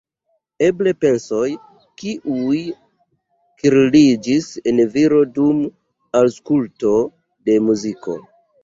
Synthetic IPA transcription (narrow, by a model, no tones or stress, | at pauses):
e̞ble̞pe̞nso̞j | kiʔuj | kiɾlid͡ʒisenviɾo̞dum | alskulto̞ | de̞muziko̞̰